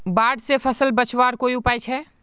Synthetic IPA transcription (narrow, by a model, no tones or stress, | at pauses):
baːɖsepʰəsəlbət͡ʃwaːɾkoːiʊpaːjt͡ʃʰɛː